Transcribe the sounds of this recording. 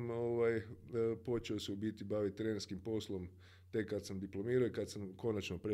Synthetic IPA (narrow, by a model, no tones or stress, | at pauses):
moʋajpo̞t͡ʃeoseubit̪ibaʋit̪ːɾeneɾskimpo̞slˠo̞m | t̪e̞kːad̪samd̪iplo̞miːɾoikad̪samko̞nat͡ʃnopɾe